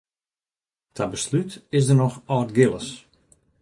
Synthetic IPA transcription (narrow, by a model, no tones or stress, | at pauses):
tʰabəslytɪsdərnɔxɔːtɡɪlˠəs